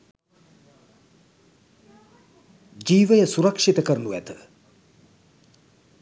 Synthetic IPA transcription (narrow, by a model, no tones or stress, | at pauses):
d͡ʒiːʋɐjɐsuɾɐkʂit̪ɐkɐɾnuɛ̰t̪